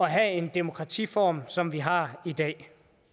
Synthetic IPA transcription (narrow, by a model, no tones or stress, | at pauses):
ɒ̽ɦɛe̝nd̥e̝mo̝kʰʁɑ̈t͡sʰḭːfɒ̰ːmsɒ̽mʋiɦɑ̈id̥ɛ̰ː